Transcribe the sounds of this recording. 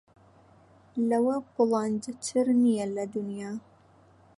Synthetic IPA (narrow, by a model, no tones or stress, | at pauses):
lɐwɐbʊlˠɑnd̪ɨt̪ʰɨɾnijɛlɐd̪unjaː